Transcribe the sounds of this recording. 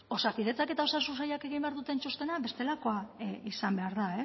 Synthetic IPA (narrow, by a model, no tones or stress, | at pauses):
o̞sakiðe̞t͡sake̞t̪ao̞sasunsajake̞ɣ̞imbe̞aɾðut̪e̞nt͡ʃust̪e̞naβe̞st̪e̞lako̞aisambe̞aɾðae